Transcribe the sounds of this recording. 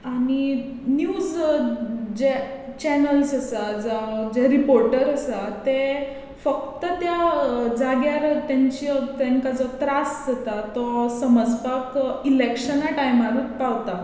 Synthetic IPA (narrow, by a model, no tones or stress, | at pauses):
añi | njud͡z | d͡ʑɛ | t͡ɕɛnəlsəsad͡zad͡ʑɛɾipoɾʈəɾəsat̪e | fək̚t̪ət̪jad͡zaɡjaɾt̪jãɲt͡ɕit̪aŋkad͡zɔt̪ɾasd͡zat̪at̪ɔsəməd͡zpakilekɕənaʈajmaɾut̪paʋt̪a